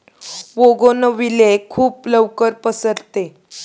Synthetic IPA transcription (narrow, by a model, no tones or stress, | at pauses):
ʋoɡonəʋilekʰuːpləʋkəɾpəsəɾt̪e